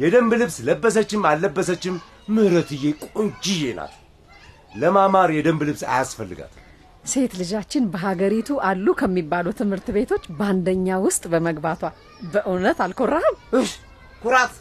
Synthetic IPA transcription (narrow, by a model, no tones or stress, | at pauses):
jɛd̪əmblɨβsləbːəs̬ət͡ʃːɪmalːəbːəsət͡ʃːɪmː | ɨhɾət̪ɨjekʼɨnt͡ʃɪjena̰t̪ | ləmamaɾjɛd̪əmblɨβsa̰jasfəlːɨ̰ɡa̰t̪m | se̞t̪lɨd͡ʒat͡ʃːɪnbəɦaɡəɾit̪ʰuʔalːukʰəmːibːalut̪ʰɨmhɨɾt̪be̞t̪ʰo̞t͡ʃːband̪əɲːawʊst̪ʼbəməɡbat̪ʰwa | bəʔɨnət̪alkʰo̞rːahəmɨʃ | kuɾat̪